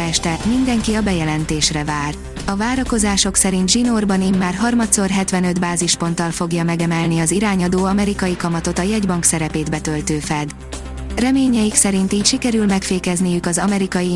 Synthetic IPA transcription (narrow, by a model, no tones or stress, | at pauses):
ɛʃt̪ɛmind̪ɛŋkiɒbɛjɛlɛnt̪eːʃrɛvaːr | ɒvaːɾɒko̞zaːʃo̞ksɛɾint̪ʒino̞rbɒniːmːaːrɦɒrmɒt̪so̞rɦɛt̪ʋɛnød̪baːziʃpo̞nt̪ɒlfo̞ɡjɒmɛɡɛmɛlniɒziɾaːɲɒd̪oːɒmɛɾikɒjikɒmɒt̪o̞t̪ɒjɛɟbɒŋksɛɾɛpeːd̪bɛt̪ølt̪øːfɛd̪ | rɛmeːɲɛjiksɛɾint̪iːcʃikɛɾylmɛkfeːkɛznijykɒzɒmɛɾikɒji